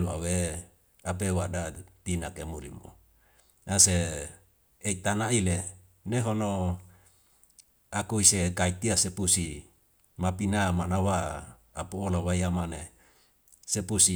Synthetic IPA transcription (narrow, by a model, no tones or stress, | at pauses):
ua̰we | ap̬ewadat̪inakemulḭmo̰ | nase | eit̪anaile | neɦono | akuisekait̪iasepusi | mapinamanawaː | puolawajamane | sepusi